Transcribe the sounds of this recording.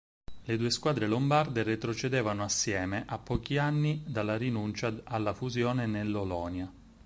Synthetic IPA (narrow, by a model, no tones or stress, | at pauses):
led̪uːeskwaːd̪ɾelombard̪eret̪ɾot͡ʃed̪eːvanoasːjɛːmeʔapːɔːkianːid̪alːaɾinunt͡ʃaalːafuzjoːnenelːolɔːnja